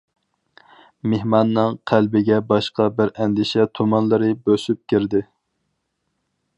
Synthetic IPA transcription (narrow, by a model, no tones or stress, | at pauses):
mehmɑnːɨŋqʰælbɪɡʲɛbɑʃqɑbɪɾɛnd̪ɪʃɛt̪ʰomɑnlˠɨɾɨbøsyp̚kʲʰiɾd̪ɪ